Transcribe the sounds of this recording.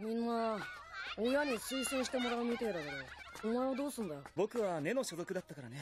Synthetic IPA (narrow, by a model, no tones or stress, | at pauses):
mʲĩnːa | ojaɲ̟isɨːsɨ̃ɕi̥t̪e̞mo̞ɾaɯmʲit̪e̞ɾaɡ̪eɾe | omaeβad̪o̞ːsɨ̃nd̪abo̞kɯ̟βane̞no̞ɕo̞zo̞kɯ̟d̪at̪ːakaɾane